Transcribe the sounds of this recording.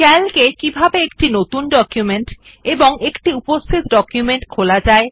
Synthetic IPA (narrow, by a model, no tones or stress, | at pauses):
kɛlkekibʱabeekʈinot̪unɖɔkjumeɳʈ | eboŋekʈiupost̪ʰit̪ɖɔkjumeɳʈkʰolad͡ʑae